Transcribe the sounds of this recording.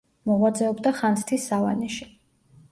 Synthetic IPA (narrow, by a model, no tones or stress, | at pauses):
mɔʁwad̪zɛɔbd̪aχanst̪ʰisːava̰nɛʃi